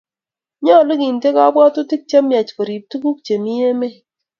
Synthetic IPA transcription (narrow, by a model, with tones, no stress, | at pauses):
ɲɔ˦˨lu˦ki˨nte˦ka˦bwɔ˦tu˦ti˦k̚t͡ʃa˦mja˨t͡ʃko˨ɾi˨p̚tu˦ku˦k̚t͡ʃe˨mi˦e˦me˦